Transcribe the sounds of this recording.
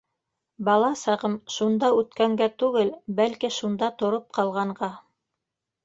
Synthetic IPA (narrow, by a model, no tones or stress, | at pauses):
bɑlˠɑsɑʁɤmʃund̪ɑʉt̪kæŋɡæt̪ʉɡɘlbælkiʃund̪ɑt̪ŏɾop̚qɑlˠʁɑɴɢɑ